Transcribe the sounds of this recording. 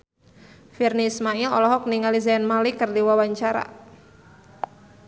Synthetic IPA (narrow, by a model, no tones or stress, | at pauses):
firnismailɔlɔɦɔk̚niŋalizɛɛnmalikərdiwawaɲt͡ʃaɾa̰